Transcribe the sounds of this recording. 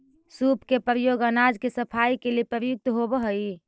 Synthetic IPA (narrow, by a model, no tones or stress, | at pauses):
supkepɾəjoɡənad͡ʒkesəpʰaikeliepəɾəjʊk̚t̪ɦobəɦəi